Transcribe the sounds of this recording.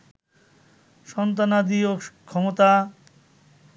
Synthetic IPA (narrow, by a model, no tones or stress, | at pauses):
ʃɔnt̪anad̪iokʰːɔmot̪a